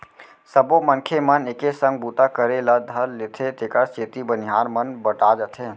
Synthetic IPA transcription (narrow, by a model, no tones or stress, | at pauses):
səbomənkʰeməneːkesə̃ŋɡ̚but̪akəɾeləd̪ʱəllɪt̪ʰet̪eːkəɾt͡ʃeːt̪ibənɪɦaːɾmənbəʈad͡ʒət̪ʰeː